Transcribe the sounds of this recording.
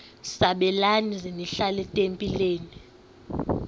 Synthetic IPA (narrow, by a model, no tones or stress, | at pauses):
saɓɛlanizeniɬalɛtʼempʼileːni